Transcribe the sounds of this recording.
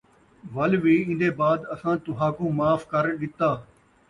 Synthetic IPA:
ʋəlʋiːɪ̃nd̪eːbaːd̪əsãːt̪ʊɦaːkõːmaːfkəɾɗɪt̪ːaː

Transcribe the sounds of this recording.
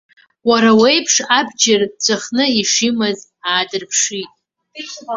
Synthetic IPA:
waɾawejpʰʂabd͡ʒɪrt͡ɕʷʰʼaχnɨiʂimɨz | aːdɨrpʰʂitʼ

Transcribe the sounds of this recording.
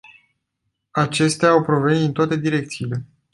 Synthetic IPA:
at͡ʃe̞st̪eaːwpɾo̞venit̪int̪oat̪e̞d̪iɾe̞k̚t̪siːle̞

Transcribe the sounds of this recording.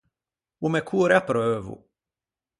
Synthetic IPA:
umɛkʰuɾjapɾøːvʊ̰

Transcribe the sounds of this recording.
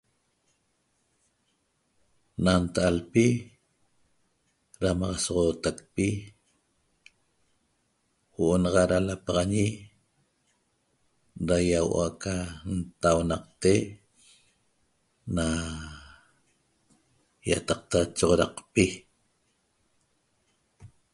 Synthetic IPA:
nant̪aʔalpi | ɾamɑʁɑsoʁoːt̪ak̚pi | woʔonɑʁɑʔɾalapɑʁɑɲi | ɾajaw̰ʔaʔkant̪awnɑq̚t̪e | na | jat̪ɑq̚t̪at͡ʃoʁoɾɑqpi

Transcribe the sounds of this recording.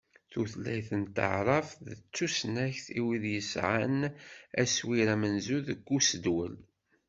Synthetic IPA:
θuθlːæjθənt̪ə̰ʕɾˤɑfðət͡sːusnæçθiwiðjəsʕanæswiɾæmənzuðəɡʷːusəd̪wəl

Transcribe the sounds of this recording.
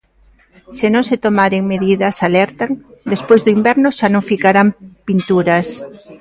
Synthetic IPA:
sɪnõŋset̪omaɾeŋmeðiðɐsalɛɾt̪aŋd̪espojzðʊimbɛɾnʊʃanõŋfikaɾampint̪uɾas

